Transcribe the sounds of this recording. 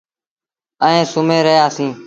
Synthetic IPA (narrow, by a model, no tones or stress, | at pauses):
əẽːsʊmeːɾəɦjaːsĩː